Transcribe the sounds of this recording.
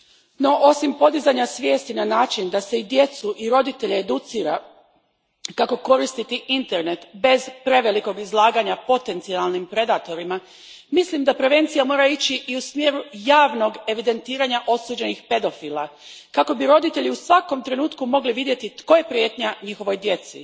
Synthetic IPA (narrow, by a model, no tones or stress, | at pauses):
no̞ʔo̞simpo̞d̪izaɲasʋje̞ːst̪inanaːt͡ʃind̪ase̞id̪je̞t̪suʔiɾo̞d̪it̪e̞ʎeed̪ut̪siːɾa̰ | kako̞ko̞ɾist̪it̪iʔint̪e̞ɾne̞t̪be̞zpɾe̞ʋeliko̞ɡizlˠaːɡaɲapo̞t̪ent̪sialˠnimpɾe̞d̪at̪o̞ɾima | mislimd̪apɾe̞ʋe̞nt̪sijamo̞ːɾait͡ɕiʔiusmje̞ːɾujaːʋno̞ɡe̞ʋid̪e̞nt̪iːɾaɲaʔo̞suːd͡ʑe̞nixpe̞d̪o̞fiːlˠakako̞biɾo̞d̪it̪e̞ʎiusʋako̞mt̪ɾe̞nuːt̪kumo̞ɡliʋid̪je̞t̪it̪ko̞je̞pɾje̞ːt̪ɲaɲixo̞ʋo̞jd̪je̞t̪sḭ